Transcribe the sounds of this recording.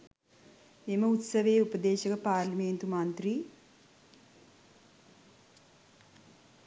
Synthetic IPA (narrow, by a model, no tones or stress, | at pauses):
eməut̪sɐʋeːupəd̪eːʃɐkəpaːɾlɐmeːnt̪umant̪ɾi